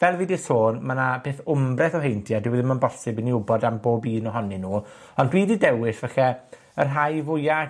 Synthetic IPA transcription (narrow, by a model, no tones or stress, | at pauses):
vɛlˠvidɪsoːnmanab̥eːθʊmbrɛθɔɦejntʰjadɪwɛðɪnmanbɔsɪbɪniʊbɔdamboːbiːnɔɦɔnɨnuː | ɔndwiːdidɛwɪsvɛχɛ | ərɦajvʊja